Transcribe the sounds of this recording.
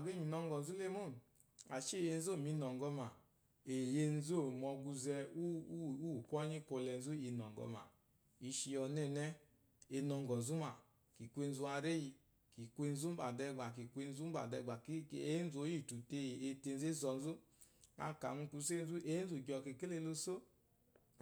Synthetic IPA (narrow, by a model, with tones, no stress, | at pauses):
a˨ɡe˦ɲi˨nɔ˧ŋɡɔ˨n̩˨zu˦le˦mo˦˨n˨ | a˨ʃe˦˨je˧n˦zo˦˨mi˨˧nɔ˨ŋɡɔ˧ma˨ | e˨je˧n˦zo˦˨mɔ˧ɡu˧zɛ˧u˦u˦˨kʷɔ˦ɲi˦ko˧lɛ˧n̩˦zu˦i˧nɔ˨ŋ˨ɡɔ̰˧˨ma̰˨ | i˧ʃi˧ɔ˧nɛ˦˨nɛ˦ | e˧nɔ˧ŋ˨ɡɔ˨n̩˨zu˦ma˨ | ki˨kʷe˧n˦zu˧a˧ɾe˦ji˧ | ki˨kʷe˧n̩˦zu˦m̩˦ba˨dɛ˧ɡ͡ba˨ki˨kʷe˧n̩˦zu˦m̩˦ba̰˨dɛ˧ɡ͡ba˨ki˦e˦n̩˦zo˨˦i˦˨tu˨te˧˨e˧te˧n̩˦ze˦zɔ˧˨n̩˦zu˦ | a̰˧ka̰˨nu˧ku˧˦se˦n˦zu˦ʔe˦n˦zu˨ɡɔ˧˨ke˧˨ke˦le˧lo˧so˦